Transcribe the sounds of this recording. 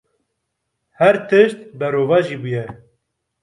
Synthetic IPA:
hɛɾt̪ʰɨʃt̪bɛɾoːvɑːʒiːbujɛ

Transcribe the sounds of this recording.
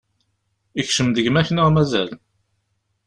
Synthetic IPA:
içʃəmðəʝmæçnəʁmæzæl

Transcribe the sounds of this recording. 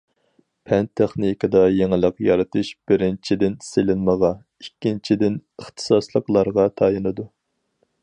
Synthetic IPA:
pʰɛnt̪ʰeχnikɨd̪ɑjeŋɪlˠəqjɑɾɨt̪ʰɨʃb̥ɪɾɪnt͡ʃʰid̪ɪnselɪnməʁɑ | ikʲːint͡ʃʰid̪ɪnəχt̪ʰɨ̥sɑslˠəqlˠɑɾʁɑt̪ʰɑjɨnɨd̪u

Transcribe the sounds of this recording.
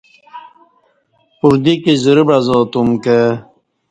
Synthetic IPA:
puɾd̪ikizuɾibazoːt̪umke

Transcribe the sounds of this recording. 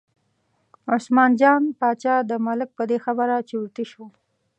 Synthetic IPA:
ʊsmɑnd͡ʒɑnpɑt͡ʃɑd̪əmalɪk̚pəd̪exabəɾat͡ʃeut̪iʃo

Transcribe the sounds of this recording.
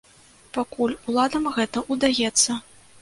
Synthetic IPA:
pakulʲulˠad̪ɐmɣɛt̪ɐʔud̪ajɛt̪sːɐ

